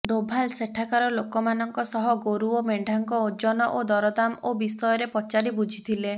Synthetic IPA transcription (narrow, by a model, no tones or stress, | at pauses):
d̪obʱalseʈʰakaɾɔlokɔmanɔŋkɔsɔɦɔɡoɾuɔmeɳɖʱaŋkɔod͡ʒɔnɔʔod̪ɔɾɔd̪amobisɔjɔɾepɔt͡ʃaɾibud͡ʒʱit̪ʰile